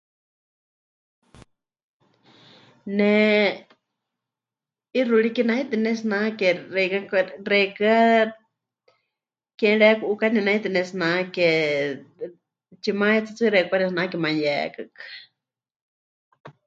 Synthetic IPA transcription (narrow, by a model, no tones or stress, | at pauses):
nɛ | iruɺikinait̪inɛsnakɛrɛkakrɛkɨa | kɛ̃ɺɛkuʔukaninait̪inɛsnãkɛ | t͡ʃimaɛt͡sat͡sɨɾɛkʷanɛsnakɛmãjɛ̰kɨkḁ